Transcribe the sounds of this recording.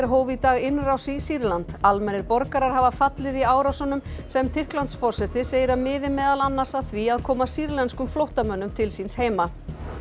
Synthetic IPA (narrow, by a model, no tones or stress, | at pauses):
ɛɾɦoːwvit̪aːɣɪnrawsisiɾlant̪almɛnːɪɾpɔɾkaɾaɾ̥ɦavafat̪lɪðiaːwɾawsɔnʏm | sɛmt̪ʰɪr̥klant̪sfɔr̥sɛt̪ɪseːjɪɾamɪːðɪmɛːðalanːasaðθviaðkʰɔːmasiɾlɛnskʏmflowht̪amœnːʏmt̪ʰɪlsinsheːjma